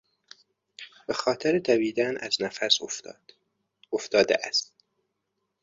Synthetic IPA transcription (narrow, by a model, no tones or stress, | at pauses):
b̥exɒːt̪ʰeɾet̪ʰæbiːd̪ænæ̰znæfæs | oft̪ɒːd̪ḛʔæst̪̚